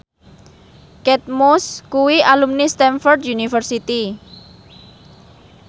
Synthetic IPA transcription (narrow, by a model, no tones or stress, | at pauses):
kɛt̪̚moskuwialumnist̪ɛnfɔrd̪junifərsit̪i